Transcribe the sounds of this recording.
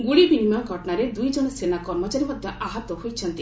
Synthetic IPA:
ɡuɽibinimaɡʱɔʈɔñaɾed̪ujd͡ʒɔnɔsenakɔɾmɔt͡ʃaɾimɔd̪ʱjɔʔaɦɔt̪ɔhojt͡ʃʰɔnt̪i

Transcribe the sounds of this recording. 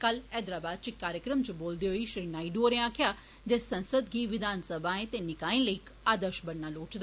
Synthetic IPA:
kəlɛːd̪ɾaːbaːd̪̚t͡ʃɪkːaːɾjəkɾəmt͡ʃboːld̪eːɦoiːʃɾiːnaːiɖoːɾẽãːkʰɪjaː | d͡ʒɛːsənsəd̪ɡiːʋɪd̪ʱaːnsəbãːẽːt̪eːnɪkaːĩːləiːk | aːd̪əɾʃbəɽːaːloːʈd̪

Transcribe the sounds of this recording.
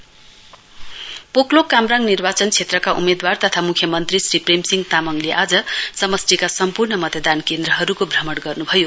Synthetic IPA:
poklokːamɾaŋnirbat͡sʌnt͡sʰet̪rʌkaʔṵmed̪wart̪ʌt̪ʰamukʰjʌmʌnt̪risripremsiŋɡt̪amʌŋleʔad͡zʌsʌmʌsʈikasʌmpurnʌmʌt̪ʌd̪ankend̪rʌɦʌɾukobʱrʌmʌɽɡʌrnubʱʌjo

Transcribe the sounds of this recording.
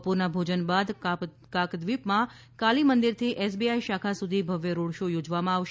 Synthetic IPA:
puɾnabʱod͡ʒənbad̪ | kakd̪ʋipmã | kalimənd̪iɾt̪ʰiʔɛs̬biaiʃakʰasud̪ʱibʱəʋjəɾoɽʃojod͡ʒʋamãaʋʃ

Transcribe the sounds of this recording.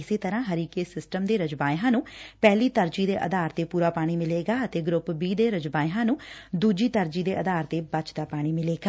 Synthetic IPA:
ɪseːt̪əɾãːɦəɾiːkeːsɪsʈəmd̪eːɾəd͡ʒbaːɪɦãːnũːpɛːliːt̪əɾd͡ʒiːd̪eːʔə̰d̪aːɾt̪eːpuːɾaːpaːɽ̃iːmɪleːɡaːət̪eːɡɾʊpbiːd̪eːɾəd͡ʒbaːɪɦãːnũːd̪uːd͡ʒiːt̪əɾd͡ʒiːd̪eːʔəd̪aːɾt̪eːbət͡ʃd̪aːpaːɽ̃iːmɪleːɡaː

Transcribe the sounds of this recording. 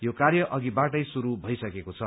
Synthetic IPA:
jokarjʌʔʌɡibaʈʌjsuɾubʱʌjsʌkekot͡sʰʌ

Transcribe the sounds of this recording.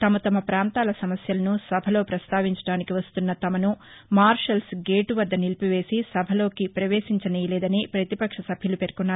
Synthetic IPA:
t̪ɐmɐt̪ɐmɐpɾaːnt̪aːlɐsɐmɐsjɐlɐnusɐbʱɐlo̞ːpɾɐst̪aːʋiɲt͡ʃɐ̥ɽaːnikiʋɐst̪unːɐt̪ɐmɐnu | maːɾʂɐlsɡeːʈuʋɐd̪ːɐnilpiʋe̞ːsisɐbʱɐlo̞ːkipɾɐʋe̞ːʂiɲt͡ʃɐnijlɛːd̪ɐnipɾɐt̪ipɐkʂɐsɐbʱjɐlupe̞ɾkunːaːɾu

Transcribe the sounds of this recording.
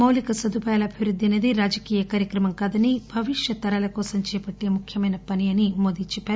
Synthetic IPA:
mɐwlikɐsɐd̪upɐjaːlɐːbʱiʋɾud̪ʱːiɐneːd̪iɾaːd͡ʒɐkiːjɐkaːɾjɐkɾɐmɐŋkaːd̪ɐnibʱɐʋiʂjɐt̪ɐɾɐlɐkɔːsɐmt͡ʃɛːɐpɐʈːeːmukʰjɐmɐjnɐpɐnijɐnimo̞ːd̪iːt͡ʃɛpːaːɾu

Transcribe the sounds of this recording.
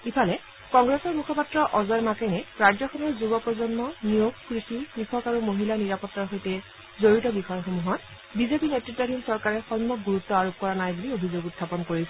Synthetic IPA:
ipʰalɛ | kɔŋɡɹesɔɹmukʰɔpatɹɔʔɔzɔjmakɛnɛɹad͡ʒɔxɔmuzubɔpɹɔzɔnmɔnijoɡ̚kɹisipɹikʰɔkaɹumoɦilaniɹapɔtːaɹxojtɛ | zoɹitɔbixɔjxomuɦɔt | bizepinetɹitːadʱimsɔɹkaɹɛxɔnmɔɡuɹutːɔaɹop̚kɔɹanajbuliobʱizoɡutʰːapɔnkoɹisɛ

